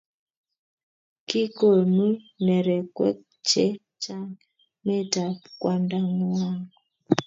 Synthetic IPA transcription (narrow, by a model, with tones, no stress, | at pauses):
ki˦ko˨nu˦nɛ˨ɾɛ˨kwɛ̰˦k | t͡ʃɛ˦ | t͡ʃa˦ŋ | mɛ˦ta˨pkwa˨nda˦ŋu˦a˦ŋɡɔ˨